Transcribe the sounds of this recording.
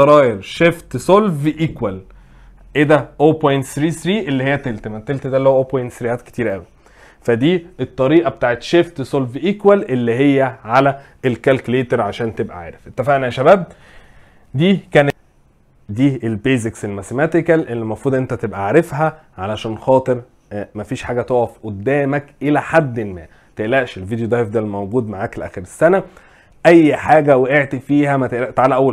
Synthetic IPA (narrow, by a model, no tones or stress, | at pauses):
ɑɾˤɑːjeɾʃeft̪solvʔikwæl | ʔed̪æʔoːpojnt̪sɾiːsɾiːʔelːihejːæt̪elt̪mæt̪ːelt̪d̪ælːowʔoːpojnt̪sɾijæːt̪ke̥t̪iːɾʔæwi | fæd̪iːet̪ˤːɑɾiːʔɑbet̪aːʕet̪ʃeft̪solvʔiːkwælʔelːiɦejːæʕalæʔelkælkuleːt̪eɾʕaʃæːnt̪ebʔæ̰ʕḛːɾefʔet̪ːæfæʔnæʃæbæːb̚ | d̪iːkæːn | d̪iːelbeːzekselmæsemæt̪ekælʔelːimɑfɾuːd̪ˤʔent̪æt̪ebʔæʕɾefɦæ | ʕalæʃæːnxɑːt̪ˤeɾ | mæfiːʃħaːɡæt̪oʕʕɑfʔod̪ːæːmækʔelæħad̪ːelmæ̰ː | t̪eʔlæʔʃelvid̪jod̪ˤɑjfd̪ælmæwɡuːd̪maʕaklʔæ̰ːxeɾesːænæ | ʔæjːħaːɡæweʔeʕt̪ifiːhæmæt̪eʔlæʔt̪aʕaːlæʔæwːæ